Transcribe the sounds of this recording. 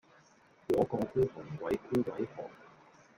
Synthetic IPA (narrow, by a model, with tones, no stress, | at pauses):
wɔː˨˧kɔː˧kuː˥t̪ʰʊ˨˩ŋwɐ˨˥jkuː˥kɐ˨˥jhɔ̰ː˨k̚